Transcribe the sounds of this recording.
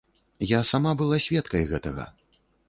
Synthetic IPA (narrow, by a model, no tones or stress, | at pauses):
jasamabɨlˠasʲvʲɛt̪kɐjɣɛt̪ɐɣɐ̰